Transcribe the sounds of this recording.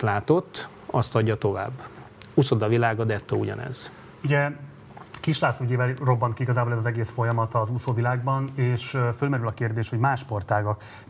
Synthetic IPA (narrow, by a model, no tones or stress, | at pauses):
t̪laːt̪o̞t̪ː | ɒst̪ɒɟːɒt̪o̞va̰ːbː | usod̪ɒvilaːɡɒd̪ɛt̪ːoːuɟɒ̰nɛ̰z̥ | uɟɛ | kiʃlaːsoyɟeːvɛlro̞bːɒnt̪kiiɡɒzaːbolɛzɒzɛɡeːsfo̞jɒmɒt̪ɒzusoːvilaːɡbɒneːʃfølmɛɾylɒkeːrd̪eːʃhoɟmaːʃpo̞rt̪aːɡɒk